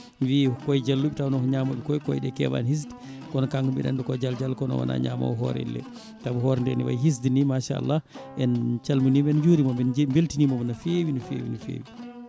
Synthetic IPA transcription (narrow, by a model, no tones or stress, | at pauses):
vikɔjd͡ʒalːuɓitawnɔkɔɲaːmaɓɛkɔjkɔjɗɛkɛ̰ba̰nhis̬d | kɔnɔkaŋkubɛ̰ɗɛ̰nɗɔkɔd͡ʒald͡ʒalkɔnɔ̰wa̰na̰ɲama̰wɦɔ̰ɾɛ̰lːɛ̰ | tabuɦɔɾɛndɛ̰niwa̰jɦis̬dinimaʃaa̰lːaʔɛnt͡ʃalmunibɛnd͡ʒoːɾimɔɛnmbeltinimɔmɔnafewinɔfḛːwḭnufḛːwi